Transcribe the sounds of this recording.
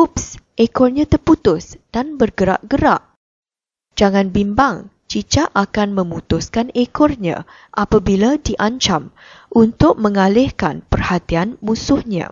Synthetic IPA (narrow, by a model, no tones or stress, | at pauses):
ʊpsʔekɔrɲãt̪ərput̪ʊsd̥anbərɡəɾa̰ʔɡəɾa̰ʔ | d͡ʒaŋãnbimbaŋ | t͡ʃit͡ʃaʔakanmə̃mut̪ʊskanekɔrɲã̰ | ʔapabiladiʔaɲt͡ʃam | ʔunt̪ʊk̚mə̃ŋalɪhkanpərhat̪ianmũsʊhɲã̰